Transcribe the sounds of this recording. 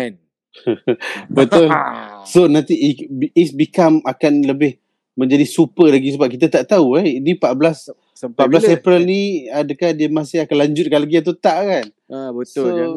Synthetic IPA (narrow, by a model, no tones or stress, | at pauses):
bət̪ʊlsonãnt̪ibɛsbikamakanləbɪh | mə̃ɲd͡ʒadisupəlaɡis̬əbap̚kit̪at̪aʔt̪auɛinipaʔblas | paʔblasepɾəlniadəkahdiəmasɪhakanlaɲd͡ʒʊt̪̚kalaɡiat̪̬ut̪aʔkan | bəo